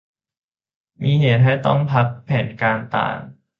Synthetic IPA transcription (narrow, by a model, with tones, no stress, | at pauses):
miː˧heː˩˦t̪̚ɦa˥˩jt̪ɔ˥˩ŋpʰa˦˥k̚pʰːɛː˩˦nkaː˧nt̪a̰ː˨˩ŋ